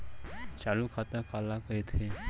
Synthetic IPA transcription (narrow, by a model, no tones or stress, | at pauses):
t͡ʃaːlukʰaːt̪akaːlakəet̪ʰe